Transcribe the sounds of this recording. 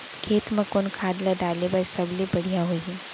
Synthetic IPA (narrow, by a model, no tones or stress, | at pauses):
kʰeːt̪mɐkonkʰaːd̪laɖaːlebaɾsɐblibɐɽ̤ijaɦoiɦɛ